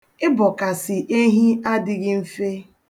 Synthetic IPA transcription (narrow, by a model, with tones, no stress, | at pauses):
ɪ˦bɔ˨ka˨sɪ˨ʔe˦ɦi˦a˦dɪ˦ɡɪ˦m̩˦fe˦